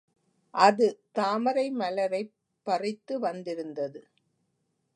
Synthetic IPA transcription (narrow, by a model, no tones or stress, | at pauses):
ʔɐðɯt̪aːmɐɾɐɪmɐlɐɾɐɪ | pːɐrɪt̪ːɯʋɐnd̪ɪɾɯnd̪ɐðɯ